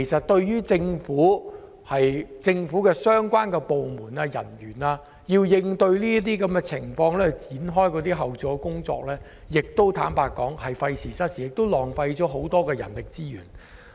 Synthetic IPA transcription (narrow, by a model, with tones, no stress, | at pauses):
jsɐ˨t̚t̪ɵ˧ɥjyː˥t͡sɪ˧ŋfuː˨˥ | hɐ˨jt͡sɪ˧ŋfu˨˥kɛː˧sœː˥ŋkʷaː˥nkɛː˧po˨wmuː˨˩naː˧jɐ̰˨˩njyː˨˩naː˧ | jiː˧wjɪ˧ŋt̪ɵ˧ɥliː˥ɐ˥t̪̬iː˥kɐ˨˥mɡɛ˧t͡sʰɪ˨˩ŋfɔː˧ŋlɛː˥˨t͡siː˨˥nɦɔː˥jkɔː˨˧t̪iː˥ɦɐ˨wt͡sɔː˨˩kʊ˥ŋt͡sɔ̰ː˧k̚lɛː˥ | jɪ˨k̚t̪o˥wt̪ʰaː˨˥npaː˧kːɔː˨˥ŋhɐ˨jfɐ˧jsiː˨˩sɐ˥t̚si˨jɪ˨k̚t̪o˥wlɔː˨˩ŋfɐ˧jt͡ʃɔː˨˥ɦo˨˥wt̪ɔː˥kɛː˧jɐ̰˨˩nlɪ˨k̚t͡siː˥jy̰ː˨˩n